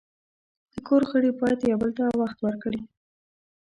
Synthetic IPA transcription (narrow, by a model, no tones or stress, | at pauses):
d̪̥əkoɾxəɽepɑjat̪jawbəlt̪awaxt̪wəɾkɽi